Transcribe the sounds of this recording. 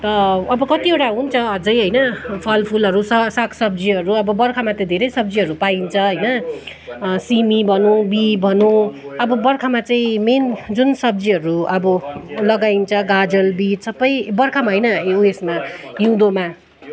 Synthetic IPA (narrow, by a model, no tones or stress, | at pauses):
t̪ʌʌbʌkʌt̪ieʈaɦunt͡sʰʌʌd͡zʌjɦʌjnʌpʰʌlpʰulɦʌɾusʌsakʰsʌb̚d͡ziɦʌɾuʌbʌbʌrkʰamat̪ʌ̃d̪ʱeɾʌjsʌb̚d͡ziɦʌɾupaint͡sʰʌɦʌjnʌ | simibʱʌnũbibʱʌnũʌbʌbʌrkʰamat͡saĩmend͡zunsʌb̚d͡ziɦʌɾuʔʌbʌlʌɡaint͡sʰʌɡad͡zʌlbisʌbʌjbʌrkʰamaɦʌjnʌuesmaɦiw̃d̪oma